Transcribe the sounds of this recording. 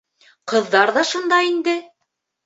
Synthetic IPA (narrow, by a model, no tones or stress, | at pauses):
qɤ̆ðːɑɾðɑʃond̪ɑind̪ɘ